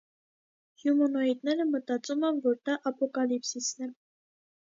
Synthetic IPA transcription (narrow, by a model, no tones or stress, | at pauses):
hjumɔnɔit̪nɛɾəmət̪ɑt͡sumɛnvɔɾd̪ɑʔɑpɔkɑlipsisnɛ